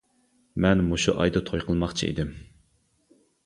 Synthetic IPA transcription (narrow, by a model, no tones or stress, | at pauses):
mɛnmuʃuʔɑ̰jd̪ɨt̪ʰojqʰəlˠmɑχt͡ʃʰḭʔḭd̪ɪm